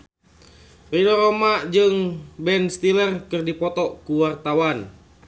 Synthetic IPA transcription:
ridɔɾomad͡ʒɨŋbɛnst̪ilərkɨrdipɔt̪ɔkuwart̪awan

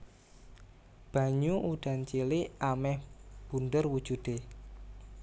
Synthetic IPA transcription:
b̥ä̤ɲuʔuɖ̥a̤nt͡ʃiliamɛhb̥ṳndərwud̥ʒ̥ṳd̪̥e

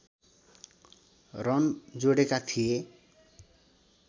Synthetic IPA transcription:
rʌnd͡zoɽekat̪ʰije

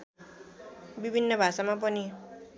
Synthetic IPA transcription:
bibʱinːʌbʱasamap̬ʌni

